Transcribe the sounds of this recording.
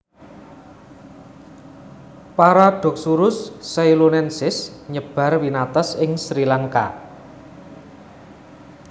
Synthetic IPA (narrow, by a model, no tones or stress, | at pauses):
paɾaɖ̥ɔ̤k̚suɾʊsːajlunɛnsɪsɲəb̥a̤rwinat̪ɔsɪŋsɾilaŋka̰